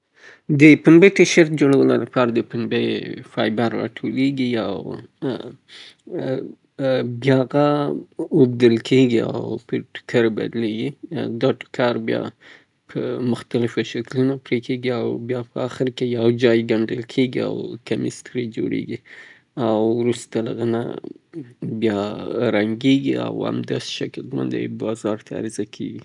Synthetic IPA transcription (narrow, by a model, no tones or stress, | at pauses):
d̪əpənbet̪aʃaɾt̪̚d͡ʒoɽawəlolapɑɾad̪əpənbefɑjbaɾːɑ̰ʈʰoleɡiaw | bjɑɣa | ob̚d̪əlkʰeɡia̰wpəʈʊ̥kʰaɾba̰d̪leɡid̪ɑʈʊ̥kʰɑɾbjɑ̰ | pʰəmʊxt̪alɪfaʃaklunapɾekʰeɡiawbjɑpʰəaxɪɾkejawd͡ʒɑjɡaɳɖəlkʰeɡia̰wkamɪst̪ɾid͡ʒo̰ɽḛɡi | awɾust̪alaɣəna̰ | bjɑɾaŋɡeɡia̰wa̰md̪asʃakəlt̪ma̰nd̪ḛjbɑzɑɾt̪ʰaa̰ɾɪzakʰḛɡi